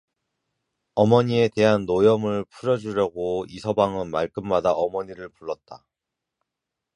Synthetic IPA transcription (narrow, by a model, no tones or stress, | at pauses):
ʌmʌɲie̞te̞ɦanːojʌmɯɭpʰuɾjʌd͡ʑuɾjʌɡoisʰʌbaŋɯnmaɭk͈ɯmmadaʔʌmʌɲiɾɯɭpuɭːʌt̚t͈a